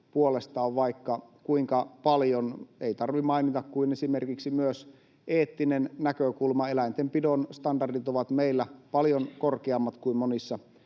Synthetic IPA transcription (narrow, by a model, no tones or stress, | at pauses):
puolest̪ɑːʋʋɑikːɑkuiŋkɑpɑljoneit̪ɑrʋimɑinit̪ɑkkuinesimerkiksimyøs | ʔeːt̪ːinennækøkulmɑelæint̪empidonst̪ɑndɑrdit̪oʋɑt̪meilːæpɑljonkorkeɑmːɑt̪kuimmonisːɑ